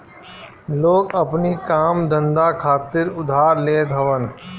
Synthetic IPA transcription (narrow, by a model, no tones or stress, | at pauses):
loːɡɐpnikaːmd̪ə̃nd̪akʰaːt̪ɪɾʊd̪ʱaːɾleːd̪ʱɐʋən